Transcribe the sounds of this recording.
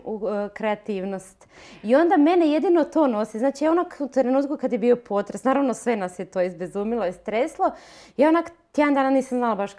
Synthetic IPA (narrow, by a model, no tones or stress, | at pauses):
ukɾe̞at̪iːʋno̞st̪io̞nd̪ame̞neje̞d̪inot̪o̞ːno̞siznaːt͡ʃijaonakut̪ɾe̞nuːt̪kukad̪jebiːo̞pʰo̞ːt̪ɾesnaːɾaʋnosʋe̞nasjet̪oːizbezuːmilˠoist̪ɾeslˠo̞jaonakt̪jeand̪aːnaniːsamznalabaʃ